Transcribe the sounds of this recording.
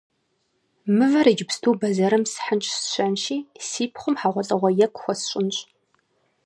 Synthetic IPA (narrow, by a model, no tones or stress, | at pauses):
mɨvɐɾed͡ʒɪpstʰuːbɐzɐɾɨmsħənt͡ʃʼsɕɐnʃiːsiːpʰχʷʊmħaːʁʷɔt͡sʼɐʁʷɐjɛkʷʼxʷɔsɕʼɪnɕʼ